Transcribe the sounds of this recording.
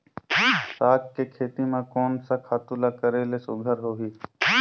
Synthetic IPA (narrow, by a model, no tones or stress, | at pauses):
saːkkekʰeːt̪imẽkɔːnsakʰaːt̪ulakəɾeːlesʊɡʱəɾɦoːɦiː